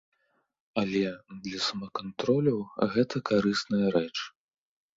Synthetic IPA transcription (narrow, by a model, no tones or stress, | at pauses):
ɐlʲɛd̪lʲɐsɐmɐkant̪ɾɔlʲɐwɣɛt̪ɐkaɾɨsnɐjɐɾɛt͡ʂ